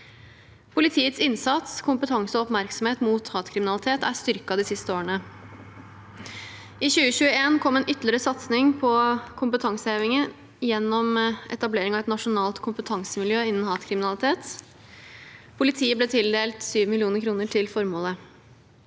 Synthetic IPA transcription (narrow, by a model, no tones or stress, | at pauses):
pʰʊlɪt̪ʰiːət̪sɪnsɑt̪skʰʊmpət̪ʰɑŋsəɔɔpmæɾksɔmheːt̪muːt̪hɑːt̪kʰɾɪmɪnɑlɪt̪ʰeːt̪æʂt̪ʏɾkɑd̪ɪsɪst̪əoːəɳə | ɪçʉːəçʉːəeːnkʰɔmːeːnʔʏt̪lɪɾəsɑt̪snɪŋpʰɔkʰʊmpət̪ʰɑŋsəeːʋɪŋən | jɛnːɔmʔɛ̰t̪ɑbleːɾɪŋɑʋɛt̪nɑʂʊnɑːlt̪kʰʊmpət̪ʰɑŋsəmɪljøːɪnːn̩hɑːt̪kʰɾɪmɪnɑlɪt̪ʰeːt̪ | pʰʊlɪt̪ʰiːəblɛːt̪ʰɪld̪eːlt̪syːʋmɪlɪuːnəɾkʰɾuːnəʈʰɪlfɔɾmoːlə